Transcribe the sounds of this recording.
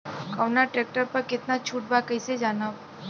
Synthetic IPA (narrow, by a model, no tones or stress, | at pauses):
kəʋnaʈɾɛk̚ʈəɾpəɾkɪt̪nat͡ʃʰuʈ̚bakəjsed͡ʒanəʋ